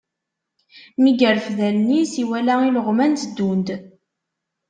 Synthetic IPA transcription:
miɡəɾfðælnisiwælæiləʁmænt̪d̪ːund̪

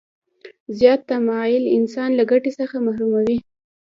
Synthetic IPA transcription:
zjɑt̪ːamɑjɪlɪnsɑnlaɡaʈesəxamahɾumawi

